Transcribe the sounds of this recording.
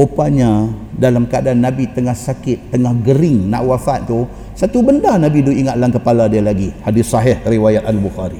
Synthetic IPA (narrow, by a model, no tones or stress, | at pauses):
opaɲadalamkaadanːãbit̪əŋahsakɪt̪ːəŋahɡəɾɪŋnã̰ʔwafat̪̚t̪u | sat̪ubəndanabiduiŋat̪̚laŋkəpaladialaɡihadɪssɑɦihriwajat̪̚albuxaɾi